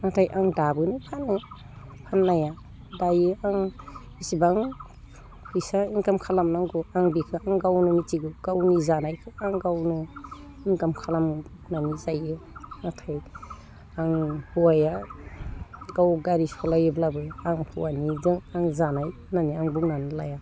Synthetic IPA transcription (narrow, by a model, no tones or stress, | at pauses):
natʰajʔaŋdabɯnɯpʰanɯ | pʰanːaja | dajɯaŋ | isibaŋ | pʰɯjsaiŋkamkʰalamnaŋɡuaŋbikʰɯaŋɡawnɯmitiɡɯɡ̥awnizanajkʰɯaŋɡawnɯ | iŋkamkʰalam | nanizajɯnatʰaj | aŋhuwaja | ɡawɡaɾisɔlajɯblabɯaŋhuwanizɯŋaŋzanaj | naniaŋbuŋnanɯlaja